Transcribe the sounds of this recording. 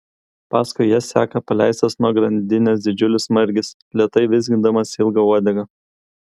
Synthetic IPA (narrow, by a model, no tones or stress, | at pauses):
pɑːskʊɪjɛsʲæːkɐpɐlʲæˑɪsʲt̪ʲɐsnuɔɡɾɐnʲd̪ʲɪnʲɛsd̪ʲɪd͡ʒʲʊlʲɪsmɐɾʲɡʲɪs | lʲiɛt̪ɐɪʋʲɪzʲɡʲɪnd̪ɐmɐsɪlˠɡɐuɔd̪ʲɛɡɐ